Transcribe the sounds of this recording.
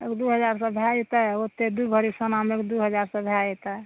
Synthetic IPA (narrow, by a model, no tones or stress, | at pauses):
ḛkd̪uɦəd͡ʒaɾsəbʱjait̪aot̪ːed̪ubʱəɾisənamekd̪uɦəd͡ʒaɾsə̃bʱjait̪a